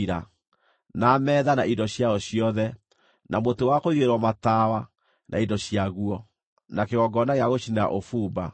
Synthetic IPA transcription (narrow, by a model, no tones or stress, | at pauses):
ɾa | namɛːðanaidɔɕjaɔɕiɔðɛ | nʔamotewakoiɣeɾwɔmatawa | nʔa̰indɔɕiaɣuɔ | nakeɣɔɡɔnaɣeaɣoɕina̰ʔofuːba